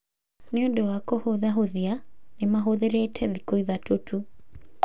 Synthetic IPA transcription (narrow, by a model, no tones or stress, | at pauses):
neodowakɔhoðaɦoðianemaɦoðeɾɛtʰɛðikoiðatotʰu